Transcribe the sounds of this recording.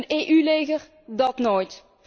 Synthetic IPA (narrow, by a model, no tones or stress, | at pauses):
neːʔylejɣər | dɑtnoːjt